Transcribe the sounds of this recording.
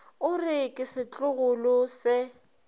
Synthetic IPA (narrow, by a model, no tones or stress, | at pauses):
ʊrɪkʼɪsɪt͡ɬʼʊɣʊlʊsɪ